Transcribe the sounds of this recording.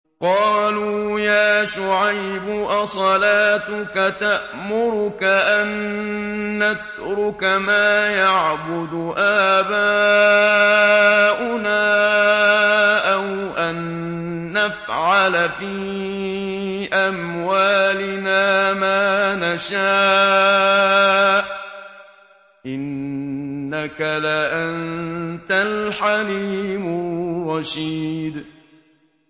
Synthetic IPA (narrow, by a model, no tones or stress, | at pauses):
qɑːluːjaːʃʊʕajbʊʔasˤɑlaːt̪ʊkat̪aʔ | mʊɾʊkaʔanː | at̪ | ɾʊkamaːjaʕbʊd̪ʊʔaːbaː | ʔʊnaː | ʔaw | ʔanː | afʕalfiː | ʔamwaːlɪnaːmaːnaʃaː | ʔ | ʔɪnː | akalaʔant̪alħaliːmʊrˤɑʃiːd̪